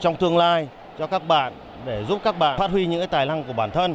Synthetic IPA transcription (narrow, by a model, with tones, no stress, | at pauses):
t͡ɕɔ˧wŋ͡mt̪ɨ˧əŋlaː˧j | t͡ɕɔ˧kaː˦˥k̚ɓa̰ː˧˨n | ɗe˧˩zu˦˥p̚kaː˦˥k̚ɓa̰ː˧˨faː˦˥t̚wi˧ɲɨ̰˧˥ŋkaː˨˦t̪aː˨˩jna˧ŋku˧˩əɓaː˧˩nt̪ʰə˧n